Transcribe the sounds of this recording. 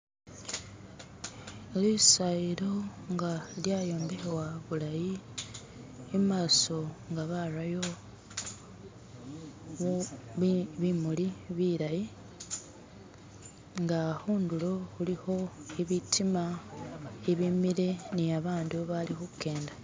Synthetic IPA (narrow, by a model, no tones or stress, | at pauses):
lisaiɾo̞ŋɡaljajo̞ːmbexewaβulaji | maːso̞ŋɡaβarajo̞ | βimuliβiɾaji | ŋɡahuːndulo̞huliho̞eβitʰima | eβimile̞niaβaːnduβalixuke̞ːnda